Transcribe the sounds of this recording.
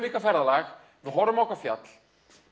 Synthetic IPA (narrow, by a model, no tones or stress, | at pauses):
viːkafɛɾðalax | vɪɦɔɾʏmɔhkafja̰t̪l̥